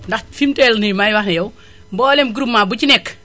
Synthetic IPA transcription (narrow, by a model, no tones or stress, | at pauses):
ndɐxfimtɛlnimajwaxnejɐw | mbɔːlemɡuɾumːabucinɛkː